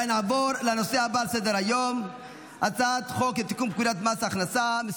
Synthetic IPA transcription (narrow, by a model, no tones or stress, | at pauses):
naʕboɾlano̞sehabalsed̪eɾajom | ʔat͡saat̪χo̞ket̪ikumb̚kud̪at̪masːχnasames